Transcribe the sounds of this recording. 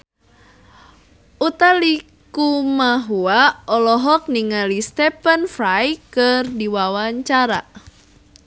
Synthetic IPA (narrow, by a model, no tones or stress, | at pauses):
ʔut̪ali | kumaɦuaɔlɔɦɔk̚niŋalist̪ɛpənfɾajkɨrdiwawaɲt͡ʃaɾa